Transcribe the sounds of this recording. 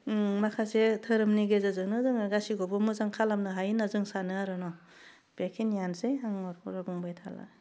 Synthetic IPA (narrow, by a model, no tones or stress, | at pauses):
makʰasetʰɯɾɯmniɡezazɯŋnɯzɯŋaɡasiɡɔbɔmɯzaŋkʰalamnɯɦajinazɯŋsanɯaɾɯnɔ | b̥ekʰinjanzejɦaŋɔɾpʰɔɾabuŋbajtʰa̰la̰